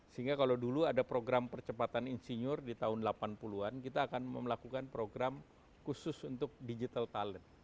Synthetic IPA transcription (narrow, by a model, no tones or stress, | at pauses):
səɦiŋɡakalawduluadapɾoɡɾampərt͡ʃəpat̪aninsiɲʊrdit̪aɦʊnlapanpuluankit̪aːkanməmlakukanpɾoɡɾam | kusʊsunt̪ʊk̚did͡ʒit̪alt̪alə